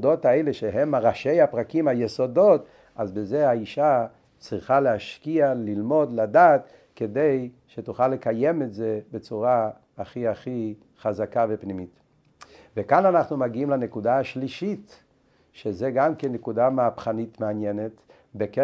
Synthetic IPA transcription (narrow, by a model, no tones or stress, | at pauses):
dot̪aejleʃeɦemaʁaʃejapʁakimhajeso̞do̞t | azbezeaiʃa | t͡sʁiχalehaʃkialilmo̞d̪ladaːt̪ | ked̪ej | ʃetuχalːekajemetzebet͡suʁaː | χiaχi | χazakavepnimit | vekananaχnumaɡiimlanekud̪aaʃliʃit | ʃezeɡamkenːekud̪ameapχanitmeanjenet | beke